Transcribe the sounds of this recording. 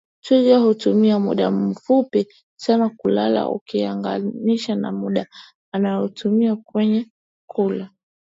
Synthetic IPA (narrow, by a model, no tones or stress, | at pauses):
tuʄahutumiamṵɗafupi | sanakulala̰ṵkiaŋɡa̰niʃana̰muɗaː | najɔtumiakwɛɲɛ | kʰula